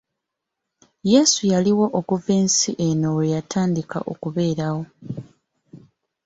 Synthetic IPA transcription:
je̞ːsujaliwo̞ʔokuve̞ːnsiʔe̞nowejatʰaːndika̰ʔo̞̰kuβe̞ːɾawo̞

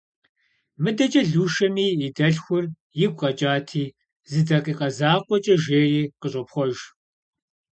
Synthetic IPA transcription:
mɨdɐt͡ʃʼɐɮuːʃɐmiːɪdɐɬxʷʊr | jɪɡʷʼqʼɐt͡ʃʼaːtʰiː | zɨdɐqʼiːqʼɐzaːqʷʼɔt͡ʃʼɐʒeːriːqəɕʼɔpxʷɔʒ

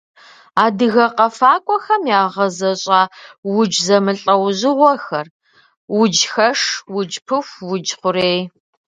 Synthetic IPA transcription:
aːdɨɣɐqɐfaːkʷʼɔxɐmjaːʁɐzɐɕʼaːwʊd͡ʒzɐmɨɬʼɐwʑɪʁʷɔxɐr | wʊd͡ʒxɐʂwʊd͡ʒpʰɨxʷwʊd͡ʒχʷʊɾeːj

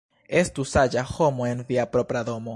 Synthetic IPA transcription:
est̪usaʝaxomoenviapɾopɾaðomo

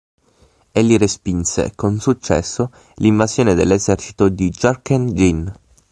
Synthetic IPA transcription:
elːiɾespinsḛkonsut͡ʃːɛ̰sːo | liɱvazjoːned̪elːezɛrt͡ʃi̥t̪od̪id͡ʒarkand͡ʒin

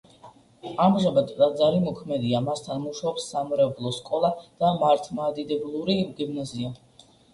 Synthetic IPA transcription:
amʒabad̪ad̪zaɾimɔkʰmɛd̪iamast̪ʰanmuʃaɔpsːamɾɛblˠɔskʼɔlˠad̪̥amaɾt̪ʰmaːd̪id̪ɛblˠuɾimɡimnazia

